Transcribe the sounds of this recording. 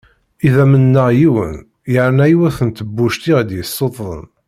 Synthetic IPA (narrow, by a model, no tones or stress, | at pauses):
iðæmənːəʁjiwə̰n | jəʕnæjwæθənt̪əbːuʃt̪iʁd̪jəsːot̪ˤðˤə̰n